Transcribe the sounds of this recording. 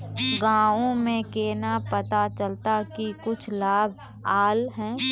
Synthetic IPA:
ɡãːõmẽkeːnapət̪at͡ʃəlt̪akikʊt͡ʃʰlaːbʱ | aːlɦɛ̃ː

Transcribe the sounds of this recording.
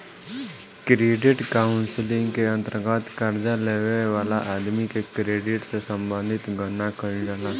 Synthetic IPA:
kɾeːɖɪʈkaːʊnsɪlɪ̃ŋɡkeə̃nt̪əɾɡət̪kəɾd͡ʒaleːʋeʋaːlaʔaːd̪mikekɾeːɖɪʈsesə̃mbə̃nd̪ʱɪt̪ɡʱənakəɾd͡ʒaːna

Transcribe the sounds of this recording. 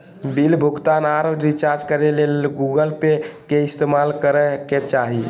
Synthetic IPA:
bilbʱuɡt̪anaɾəɾit͡ʃaɾd͡ʒkəɾelelɡuɡəlpekeist̪emalkəɾɛket͡ʃaɦi

